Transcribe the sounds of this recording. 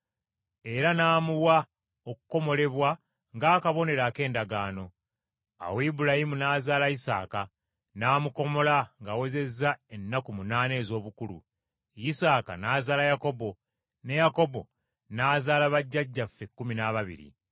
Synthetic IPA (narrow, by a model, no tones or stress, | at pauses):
e̞ɾanaːmuwa | oku̥ko̞mo̞le̞βwa | ŋɡaːkaβo̞ne̞ɾaːke̞ːndaɡaːno̞ | a̰weibulahimunaːzaːlaisa̰ːka | naːmuko̞mo̞laŋɡawe̞ze̞zːae̞nːakumunaːne̞ːzo̞ːβukulṵ | jisaːka̰naːzaːlajako̞bo̞ | ne̞jako̞bo̞̰ | naːzaːlaβaɟːaɟːafːe̞kːuminaβaβḭɾḭ